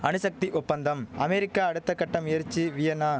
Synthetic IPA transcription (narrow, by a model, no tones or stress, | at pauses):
ɐnɯsɐk̚t̪iʔʊpːɐnd̪ɐmɐmɛɾɪkːaːɽɯt̪ːɐkːɐʈːɐmɪjɐɾt͡ʃːiʋɪjɐnaː